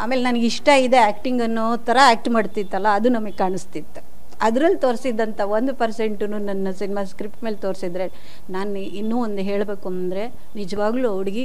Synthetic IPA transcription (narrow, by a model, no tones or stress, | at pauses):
aːme̞ːlenaniɡiʂʈɐid̪e̞aːkʈiŋɡɐnːo | t̪ʰɐɾɐaːk̚ʈmaːɖt̪it̪ːɐlːɐːd̪unɐmɐɡekaːɳɨst̪it̪ːu̥ | ɐd̪ɾɐlːt̪o̞ːɾsid̪ɐnt̪ʰɐʋo̞nd̪upɐɾse̞ɳʈunuːnɐnːɐsinimaːskɾipʈme̞ːlt̪o̞ːɾsid̪ɾe̞ | naːn | inːuːond̪ɦe̞ːɭbe̞ːkuɐnɐnd̪ɐɾe̞ | nid͡ʒɐʋaːɡluːɐʋɽiɡi